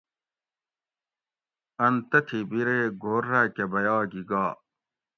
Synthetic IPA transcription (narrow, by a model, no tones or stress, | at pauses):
ɐnt̪ɐt̪ʰibiɾeːɡʱoːɾakebɐjaːɡiɡaː